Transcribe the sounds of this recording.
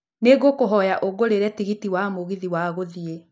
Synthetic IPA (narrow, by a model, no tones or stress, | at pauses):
neɣokoɦɔjaʔoɡoɾeɾɛtiɣitiwamoɣiðiwaːɣoðie